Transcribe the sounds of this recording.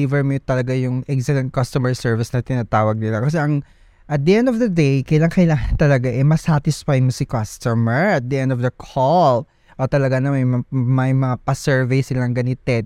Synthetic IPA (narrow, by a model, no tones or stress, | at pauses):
ivɛɹmot̪ɐlɐɡajʊŋʔɛksɛlɛnt̪̚kɐst̪omɛɹsɛɹvɪsnɐt̪ɪnɐt̪aːwɐɡ̚nɪlɐkɐs̬ɛʔɐŋ | ʔɐt̪̚d̪ɐʔɛ̃nd̪ɔvd̪ɐd̪ejkɐjlaŋkɐɪlaːŋɐnt̪ɐlɐɡaʔɛmɐsat̪ɪsfajmosɪkast̪omɛɹʔɐt̪̚d̪ɐʔɛ̃nd̪ɔvd̪ɐkʰol | ʔot̪ɐlɐɡanɐmɐmɐjmɐŋapɐsɛɹvɛjsɪlɐŋɡɐnɪt̪ɛ